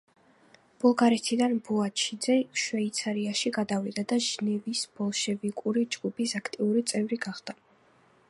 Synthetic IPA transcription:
b̥ulˠɡaɾɛt̪ʰid̪anbuat͡ʃʰid̪zɛʃwɛit̪sʰaɾiaʃiɡad̪avid̪ad̪aʒnɛvisb̥ɔlˠʃɛvikʼuɾid͡ʒɡ̥upʰisakʰt̪ʼiuɾit̪sʼɛvɾiɡaχd̪̥a

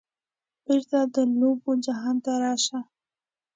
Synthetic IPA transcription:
b̥ɪɾt̪ad̪əlobod͡ʒaɦɑnt̪aɾɑʃa

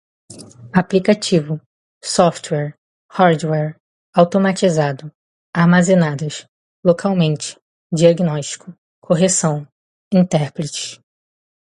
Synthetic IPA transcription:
aplikat͡ʃivʊ | sɔft̪wɛɾ | haɾd͡ʒwɛɾ | awt̪omat͡ʃizad̪ʊ | aɾmazẽnad̪ɐs | lokʰawmẽnt͡ʃɪ̥ | d͡ʒiaɡnɔʃt͡ʃi̥kʊ | kʰoɦesɐ̃w̃ | ĩnt̪ɛɾpɾet͡ʃɪ̥s

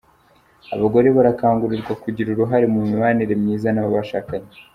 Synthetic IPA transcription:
aβaɡo̞ɾeβaɾakaːŋɡuɾiɾɡwakuɟiɾuɾuɦaɾimumiβaniɾemɲiːzanaβaβaʃaːkaɲe

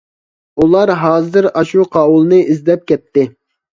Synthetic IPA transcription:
ulˠɑɾɦɑːzɨɾɑʃuqʰɑwulˠnɨʔizlɛp̚kʲɛt̪ːɪ

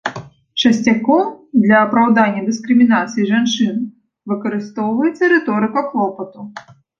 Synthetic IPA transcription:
t͡ʂɐsʲt͡sʲakɔd̪lʲɐːpɾawd̪anʲːɐd̪ɨskɾɨmʲinat̪sɨjiʐant͡ʂɨn | vɨkɐɾɨst̪ɔwvɐjɛt̪sːɐɾɛt̪ɔɾɨkɐklˠɔpɐt̪u

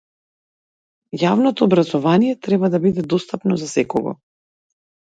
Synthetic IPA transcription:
javnɔt̪ɔːbɾazɔvanijɛt̪ɾɛbad̪abid̪ɛd̪ɔst̪apnɔzasɛkɔ̰ɡɔ̰

